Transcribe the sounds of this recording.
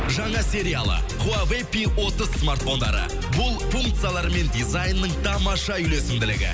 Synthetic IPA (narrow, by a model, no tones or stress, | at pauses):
ʒɑɴɑsʲe̞ɾʲijalˠə̰ | qʰuavepiwo̞t̪əzsmart̪fo̞nd̪ɑ̰ɾə̰ | bʊlˠfuŋkt̪sɨjalˠɑɾme̞nd̪izajnːəɴt̪ʰɑmɑʃɑʏle̞sɪmd̪ɪlɪɡʲɪ̰